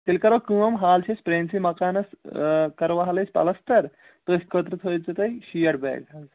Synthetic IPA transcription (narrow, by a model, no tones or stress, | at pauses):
t̪ilkɐɾɐkɨ̃ːɐmɦaːlt͡ʃʰesʲpɾeːnsimɐkaːnɐskɐɾʋaɦɐlɐsʲpɐ̰lɐst̪ɐɾ | t̪osʲkət̪ɾɨt̪ʰoːt͡sɐt̪ɐjʃijɐɾbɛ̰ːɡɐz